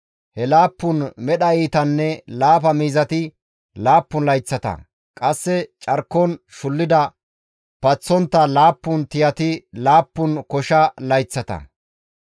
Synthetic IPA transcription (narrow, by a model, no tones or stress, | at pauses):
hɛlaːpːʊnmɛɗɐiːt̪ɐnːɛlaːp̬ɐmiːzɐt̪ɪ | laːpːʊnlɐjt͡sːɐt̪ɐ̰ | kʼɐsːɛt͡ʃʼɐɾkːɔnʃʊlːɪd̪ɐ | pɐt͡sːɔnt̪ːɐlaːpːʊnt̪ɪjɐt̪ɪlaːpːʊnkɔʃɐlɐjt͡sːɐt̪ɐ̰